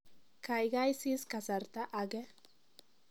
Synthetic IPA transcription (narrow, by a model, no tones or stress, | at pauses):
kajɡajsiskasaɾt̪aʔaɡe